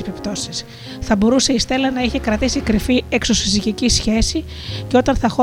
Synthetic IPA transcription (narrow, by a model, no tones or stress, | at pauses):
epipt̪o̞sis | θɐbo̞ɾuse̞ist̪e̞lɐnɐiçe̞kɾɐt̪isikɾifiekso̞sisiʝicisçe̞si | ceo̞t̪ɐnθɐxo